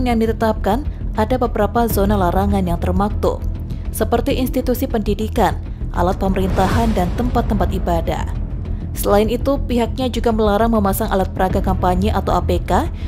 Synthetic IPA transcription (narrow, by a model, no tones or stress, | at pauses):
njaŋdit̪ət̪ap̚kanʔadabəbəɾapazonalaɾaŋanjaŋt̪ərmak̚t̪ṵ | səpərt̪iʔinst̪it̪usipəndidikan | ʔa̰lat̪̚pəməɾint̪aɦandant̪əmpat̪ːəmpat̪ibada̰ | səlaɪnit̪upiɦak̚ɲad͡ʒuɡaməlaɾaŋməmasaŋʔa̰lat̪̚pəɾaɡakampaɲiʔat̪awapeka